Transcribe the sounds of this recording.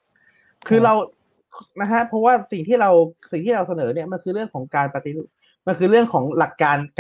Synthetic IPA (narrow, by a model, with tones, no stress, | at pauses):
kʰɯː˧ɾa˧wʰ | na˦˥kʰa˦˥pʰɾɔ˦˥waː˥˩si˨˩ŋt̪ʰiː˥˩ɾa˧wsi˨˩ŋt̪ʰiː˥˩ɾa˧wsa˧nɤː˩˦ni˥˩ɐma˧nkʰɯː˧ɾɯ˥˩əŋkʰɔː˩˦ŋkaː˧npɾa˧t̪i˧˩ | ma˧nkʰɯː˧ɾɯ˥˩əŋkʰɔː˩˦ŋla˨˩kːaː˧nk